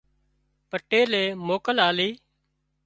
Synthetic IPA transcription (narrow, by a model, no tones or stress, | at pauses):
pəʈeːleːmoːkəlaːliː